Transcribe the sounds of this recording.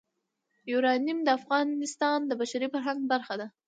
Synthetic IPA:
juɾɑnimd̪əafɣɑnɪst̪ɑnd̪əbaʃaɾifaɾɦaŋɡ̚baɾxad̪a

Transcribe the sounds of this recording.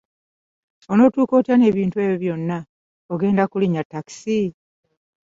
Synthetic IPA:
o̞no̞ːtuːko̞ːtiane̞ːβiːntuwe̞ːβjoβjo̞nːa | o̞ɡe̞ːndakuliɲatːaki̥si

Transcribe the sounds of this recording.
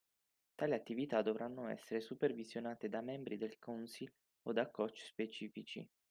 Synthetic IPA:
t̪aːliat̪ːivit̪ad̪ovɾanːoɛ̰sːeɾesupervizjonaːt̪ed̪amɛmbɾid̪elkɔnsil | od̪akːɔt͡ʃːspet͡ʃiːfit͡ʃḭ

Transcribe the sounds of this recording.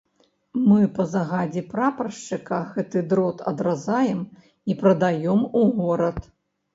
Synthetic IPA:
mɨpɐzaɣad͡zʲɛpɾapɾɐʂt͡ʂɨkɐɣɛt̪ɨd̪ɾɔt̪ʰɐ̰d̪ɾazajɛm | ipɾɐd̪ajɔmuɣɔɾɐt̪

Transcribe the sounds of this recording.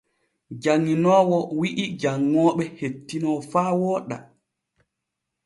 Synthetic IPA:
d͡ʒaŋːinɔːwɔwiʔid͡ʒaŋːɔːɓɛhetːinɔfaːwɔːɗa̰

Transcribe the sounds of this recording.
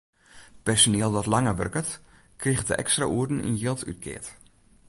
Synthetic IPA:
pɛrsonɪəlˠdɔtlaŋəʋø̰rkət | krixdə̰ʔɛ̰kstra̰ʔuərdn̩ḭnjɪlˠty̰t̚kʰɪ̰ət

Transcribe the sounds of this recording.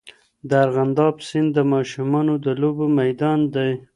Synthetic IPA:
d̪əaɾɣand̪ɑbsɪnd̪d̪əmɑʃʊmɑnod̪əlobomajd̪ɑnd̪aj

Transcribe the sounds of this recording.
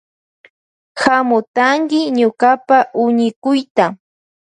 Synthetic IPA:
hamʊt̪aŋkɪɲʊkapaʔʊɲɪkʊjt̪a

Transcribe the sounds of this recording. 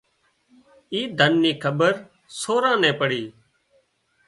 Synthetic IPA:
iːd̪ʱənːiːkʰəbəɾ | soːɾãːnɛ̃ːpəɽiː

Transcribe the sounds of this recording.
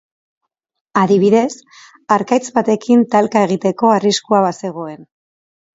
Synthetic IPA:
aðiβiðe̞s | aɾkajt͡sβat̪e̞kint̪alkae̞ɣ̞it̪e̞ko̞ariskuaβase̞ɣ̞o̞e̞n

